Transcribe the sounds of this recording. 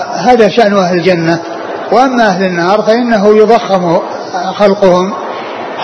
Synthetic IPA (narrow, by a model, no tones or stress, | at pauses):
ɦaːðaʃaʔnʔahlɪld͡ʒanːa | wʔamːaʔaɦlɪnːɑːɾˤfaʔɪnːaɦʊjʊðˤɑxːɪmu | xalqʊhʊm